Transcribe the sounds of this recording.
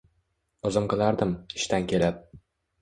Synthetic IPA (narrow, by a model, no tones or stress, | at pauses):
ŏzɤmqɨ̆lˠɑɾd̪ɤmɪʃt̪ænkʲelap̚